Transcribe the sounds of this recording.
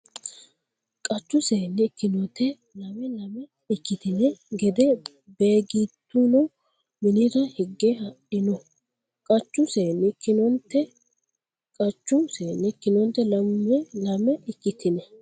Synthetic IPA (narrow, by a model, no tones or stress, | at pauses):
kʼɐt͡ʃːʊse̞ːnːɛkːɪnɔt̪ʰɛ | lɐmɛlɐmɛ | ɪkːɪt̪ɪnɛɡɛd̪ɛ | be̞ːɡiːt̪ːunɔ | mɪniɾɐhɪɡːehɐʔɪnɔ | kʼɐt͡ʃːʊseːnːɪkːɪnɔnt̪ːɛ | kʼɐt͡ʃːʊseːnːɪkːɪnɔnt̪ːɛlɐmːɛlɐmɛɪkːɪt̪ʰɪnɛ